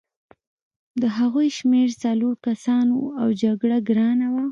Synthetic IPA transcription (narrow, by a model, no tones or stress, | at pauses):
d̪əɦaɣojʃmeɾt͡saloɾkasɑnoawd͡ʒaɡɽaɡɾɑnawa